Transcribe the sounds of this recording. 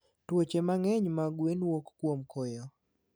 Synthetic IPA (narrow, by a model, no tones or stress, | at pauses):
twot͡ʃemaŋɛɲmaɡwenwokːwomkʰojɔ